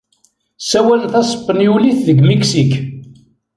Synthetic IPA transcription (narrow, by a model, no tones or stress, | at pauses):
sæwælnθæsˤə̥pːənjuliθðəɡmiksik